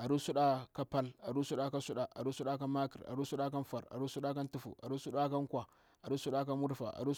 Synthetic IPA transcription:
ʔa˨ɾu˦su˦ɗa˦ka˦pa˦la˨ɾu˦su˦ɗa˦ka˦su˦ɗa˨ʔa̰˨ɾu˦su˦ɗa˦ka˦maː˦kḭ˨ra̰˨ɾu˦su˦ɗa˦k̬a˦mfa˨ɾa̰˨ɾu˦su˦ɗa˦ka˦ntu˦fṵ˨ʔa̰˨ɾu˦su˦ɗa˦ka˦ŋkʷa˨ | ʔa˨ɾu˦su˦ɗa˦k̬a˦mʊ˦ɾɸa̰˨ʔa̰˨ɾu˦

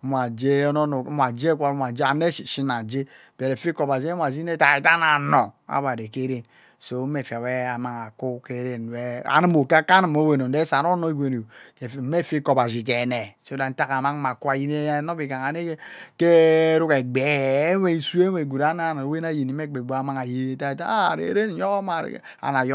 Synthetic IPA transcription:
m˨a˨d͡ʒe˦no˦n˨˦mʷ˦a˨d͡ʒe˦kʷa˦ɾma˨d͡ʒa˨ne˦˨ʃi˦na˨d͡ʒe˦ | be˨ɾe˨fi˦kɔ˨ba˨d͡ʒe˦m˦a˨d͡ʒi˦ne˦ta˨i˨ta˦na˨nɔ˨a̰˦βa˨de˨ke˦ɾe˦n | so˦e˨fi˨a˨we˦a˨ma˦˨ŋa˨ku˦ke˦ɾe˦n˨we˦a̰˨˦ni˦mo˨ka˦ka˦na˨mo˦we˨no˨n˨de˦sa˨no˦no˦i˦ɡʷe˨n˨o˨ke˨˦me˦˨fi˦kɔ˨ba˨zi˨k̬e˨ne˨so˦da˨n̩˦ta˦ka˨ma˦ŋ˦ma˨kwa˦˨ji˦ne˦no˦bi˨ka˨ŋa˨ne˦ke˦ɾu˦ke˨ɡ͡be˨˦e˦i˦su˦e˦we˨ɡu˨ɾa˦na˦˨n˨we˦na˦ji˨ni˨˦me˦ɡ͡be˨ɡ͡ba˦a˨ma˦ŋa˨je˦˨ta˨i˨ta˦˨ɾḛ˨˦ɾe˦n˨˦jɔ˦ma˨ɾ̰ | a̰˨na˨j

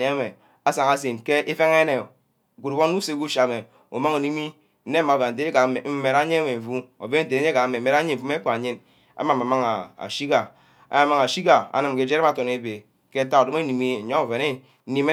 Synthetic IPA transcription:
e˦a˦me˨ | a˦sa˨ŋa˦s̬e˨nke˦ʔe˦fe˦ŋe˦ne˨ | ku˨ɾo˦n˦u˦se˦ku˦ʃa˨me˨ | ṵ˨ma˦ŋu˨ni˦mi˦ | n̩˦ne˦ma˨va˨n̩˨te˦e˦a˨˦me˨m̩˦me˨ɾa˦ɲe˦me˨ɱ̩˨vu˦o̰˨ve˦n̩˨te˨ne˦ɲe˦ka˨˦me˨m̩˨me˨ɾa˦ɲi˦m̩˨u˦me˦k͡pa˨a˨ɲi˦n | a̰˦ma˨ma˨ma˦ŋa˨a̰˨ʃi˦ɡa˨ | a̰˨˦a˨ma˦ŋa˨ʃi˦ɡa˨a̰˨nɨ˨m˨ke˦˨d͡ʒe˦ɾe˦m˦a˨to˨ne˦be˨ | ke˦ta˦o˨do˦me˦ni˨mi˦˨ɲo˦o˨ve˨ne˦ | ni˦me˦

